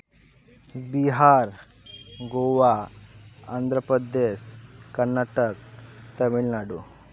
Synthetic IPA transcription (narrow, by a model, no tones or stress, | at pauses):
biɦaːɾ | ɡoːʋa | and̪ʱɾəpɾəd̪eːʃkɐɾnːaːʈəkt̪ɐmiɭnaːɖu